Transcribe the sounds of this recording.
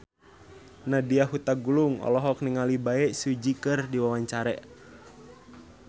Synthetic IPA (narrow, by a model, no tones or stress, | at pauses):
nadiaɦut̪aɡuluŋɔ̰lɔɦɔk̚niŋalibaɛsud͡ʒikɨrdiwawaɲt͡ʃaɾɛʔ